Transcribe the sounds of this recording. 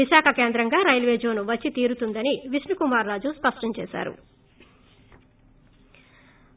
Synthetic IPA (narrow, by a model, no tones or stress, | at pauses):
iʃaːkʰɐke̞ːnd̪ɾɐŋɡaːɾɐjlʋeːd͡ʒo̞ːnuʋɐt͡ʃːit̪iːɾut̪und̪ɐniʋisnukumaːɾːaːd͡ʒuspɐʂʈɐɲt͡ʃɛːʃa̰ːɾṵ